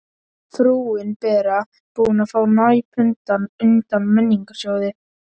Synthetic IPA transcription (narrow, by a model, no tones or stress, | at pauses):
θɾuwɪnpɛːɾa | puːnafaːwnajpʰʏnt̪anʏnt̪amːɛnːiŋkḁsjɔwðɪ